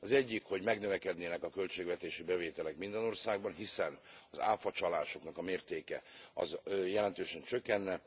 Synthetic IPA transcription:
ɒzɛɟːikho̞ɟmɛɡnøvɛkɛd̪neːnɛkɒkølt͡ʃeːɡvɛt̪eːʃibɛveːt̪ɛlɛkmind̪ɛno̞rsaːɡ̚bɒnɦisɛnɒza̰ːlfɒt͡ʃɒlaːʃo̞knɒkɒmeːrt̪eːkɛ̰ɒ̰zjɛlɛnt̪øːʃɛnt͡ʃø̞kːɛnːɛ

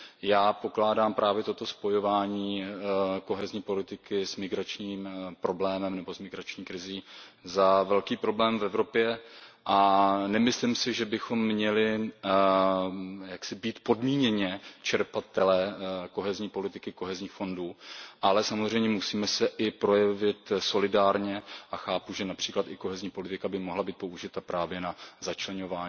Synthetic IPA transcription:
jaːpo̞klaːdaːmpɾʔaːvjɛt̪o̞t̪o̞spo̞jo̞vaːɲiː | ko̞ɦɛzɲiːpo̞lɪt̪ɪkɪzmɪɡɾat͡ʃɲiːmpɾo̞blɛːmɛmnɛbo̞zmɪɡɾat͡ʃɲiːkɾɪziːzavɛlkiːpɾo̞blɛːmvɛvɾo̞pjɛʔanɛmɪslɪmsɪʒɛbɪxo̞mːɲɛlɪ | jaksɪbiːt̪po̞dmiːɲɛɲɛt͡ʃɛɾpat̪ɛlɛko̞ɦɛzɲiːpo̞lɪt̪ɪkɪko̞ɦɛzɲiːxfo̞nduːʔalɛsamozr̝ɛjmɲɛmusiːmɛsɛʔɪpɾo̞jɛvɪt̪so̞lɪdaːɾɲɛʔaxaːpuʒɛnapr̥iːklat̪ɪko̞ɦɛzɲiːpo̞lɪt̪ɪkabɪmoɦlabiːt̪̚po̞uʒɪt̪apɾaːvjɛnazat͡ʃlɛɲo̞vaːɲː

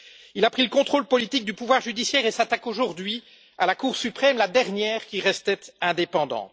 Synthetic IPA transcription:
ilapχiləkɔ̃t̪χolpɔlit̪ik̚d̪ypuvwaʁʒyd̪isjɛːʁesat̪akoʒuʁd̪ɥi | alakuːʁsypχɛmlad̪ɛʁnjɛːʁkʲiʁɛst̪ɛt̪ɛ̃d̪epɑ̃d̪ɑ̰̃t̪

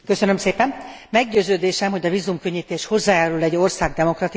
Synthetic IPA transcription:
køsønømseːpɛnmɛɡɟøːzøːd̪eːʃɛmɦo̞ɟɒviːzumkø̞ɲːiːt̪eːʃho̞zːaːjaːɾulɛɟːo̞rsaːɡd̪ɛmo̞krɒt̪i

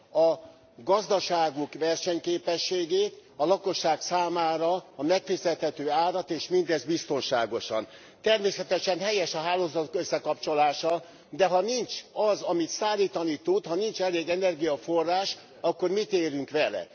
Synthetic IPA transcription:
ɒ | ɡɒzd̪ɒʃaːɡukʋɛrʃɛɲkeːpɛʃːeːɡeːt̪ɒlɒko̞ʃːaːksaːmaːɾɒːmɛkfizɛt̪hɛt̪øːaːɾɒt̪eːʃmind̪ɛzbist̪o̞nʃaːɡo̞ʃɒ̰n | t̪ɛrmeːsɛt̪ɛʃɛnɦɛjɛʃɒɦaːloːzɒt̪okøsːɛkɒpt͡ʃo̞laːʃɒ | d̪ɛɦɒnint͡ʃɒzɒmit̪saːliːt̪ɒnit̪ud̪hɒnint͡ʃɛleːɡɛnɛrɡijɒfo̞rːaːʃ | ɒkːo̞rmit̪eːɾyŋkʋɛlɛ̰

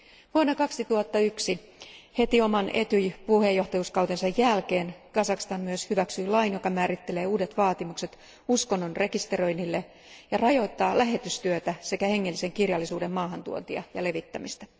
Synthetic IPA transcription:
ʋuonːɑkɑksit̪uhɑt̪ːɑyksi | he̞t̪io̞mɑne̞t̪yjpuhe̞jːo̞ht̪ɑjuːskɑwt̪ensɑjːælkeːnkɑsɑkst̪ɑnmyøshyʋæksyilɑinjo̞kɑmæːɾit̪ːe̞le̞ːuːde̞t̪ʋɑːt̪imukse̞t̪ | usko̞nːonre̞kist̪ero̞jnːilːe | jɑrɑjo̞it̪ːɑːlæɦe̞t̪yst̪yøt̪æse̞kæhe̞ŋːelːise̞ŋkirjɑlːisuːdemmɑːɦɑnt̪ṵo̰nt̪iɑ̰jɑ̰le̞ʋit̪ːæmist̪æ

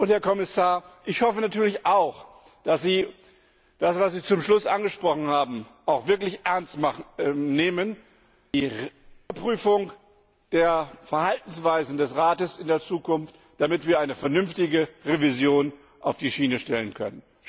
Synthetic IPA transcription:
ʔʊntheːɐkʰɔmɪsaːɐʔɪçhɔfənatʰyːɐlɪçʔaʊx | d̥asz̥iː | d̥asv̥as̬v̥iːt͡sʊmʃlʊsʔanɡəʃpʁ̥ɔχn̩haːbm̩ʔaʊxv̥ɪɐklɪçʔɛɐnstmaneːmən | d̥i | pʁ̥yːfʊŋ | d̥eːɐfɛɐhaltn̩sv̥aɪzn̩dɛsʁaːtəsɪndeːɐt͡suːkʊnft | d̥amɪtv̥iːɐʔaɪnəfɛɐnʏmftɪɡəʁevizjoːn | ʔaʊfd̥iːʃiːnəʃtɛlənkʰœ̰nən

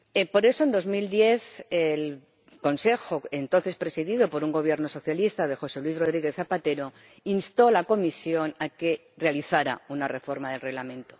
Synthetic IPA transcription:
epo̞ɾe̞soend̪o̞zmild̪je̞θel | ko̞nse̞xoe̞nt̪o̞nθe̞spɾe̞siðið̞o̞po̞ɾuŋɡo̞β̞je̞ɾno̞so̞θjalist̪aðe̞xo̞se̞lwizro̞ð̞ɾiɣe̞θθapat̪e̞ɾo̞ | inst̪o̞lako̞misjo̞nake̞ | realiθaɾa̰unarefo̞ɾmaðe̞lre̞ɣlamẽ̞nt̪o̥

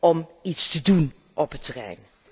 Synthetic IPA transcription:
ɔmitstədun | ʔɔpətərɛ̰jn

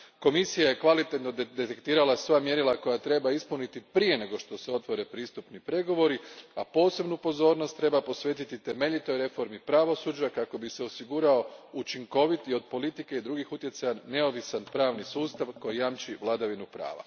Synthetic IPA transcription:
ko̞misijajekʋalit̪et̪no̞d̪d̪e̞t̪ekt̪iːɾalasʋamje̞ɾilˠako̞jat̪ɾe̞baispunit̪ipɾije̞ne̞ɡo̞ʃt̪o̞se̞o̞t̪ʋo̞ɾe̞pɾiːst̪upnipɾe̞ɡo̞ʋo̞ɾiapo̞ːse̞bnupo̞zo̞ːɾno̞st̪ːɾe̞bapo̞sʋe̞ːt̪it̪it̪e̞me̞ʎit̪o̞jɾe̞fo̞ɾmipɾaʋo̞sud͡ʑakako̞bise̞osiɡuɾao̞ut͡ʃiŋko̞ʋit̪io̞d̪̚po̞lit̪ike̞id̪ɾuɡixut̪je̞t̪sajanːe̞o̞ʋisanpɾaːʋnisuːst̪aʋko̞jijamt͡ʃiʋlˠad̪aʋinupɾa̰ːʋa̰

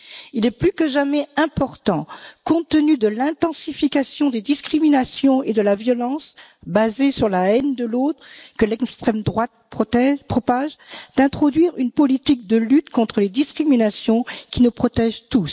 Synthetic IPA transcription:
ilɛplykəʒamɛɛ̃pɔʁt̪ɑ̃kɔ̃t̪ənyd̪əlɛ̃t̪ɑ̃sifikʲasjɔ̃d̪ed̪iskχiminasjɔ̃ed̪əlavjɔlɑ̃s | bazesyʁlaɛnd̪əlot̪χkəlɛkst̪χɛmd̪ʁwat̪̚pχɔɛpχɔpaʒd̪̥ɛ̃t̪χɔd̪ɥiʁynpɔlit̪ik̚d̪əlyt̪kɔ̃t̪χəled̪iskχiminasjɔ̃kʲinupχɔt̪ɛʒt̪us

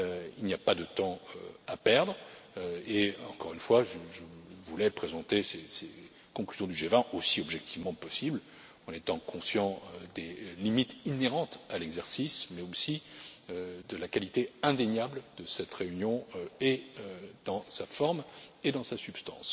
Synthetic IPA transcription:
øilnijapad̪ət̪ɑ̃ø̰apɛʁd̪ʁ | eɑ̃kɔʁynfwaʒəʒəvulɛpχezɑ̃t̪esese | kɔ̃klyzjɔ̃d̪yʒevɛ̃ʔosiɔbʒɛk̚t̪ʰivmɑ̃pɔsibl | ɑ̃net̪ɑ̃kʰɔ̃sjɑ̃d̪elimit̪ineʁɑ̃t̪alɛɡzɛʁsismɛosiød̪əlakalit̪eɛ̃d̪eɲabld̪əsɛt̪ʁeynjɔ̃eød̪ɑ̃safɔʁmed̪ɑ̃sasypst̪ɑ̰̃s

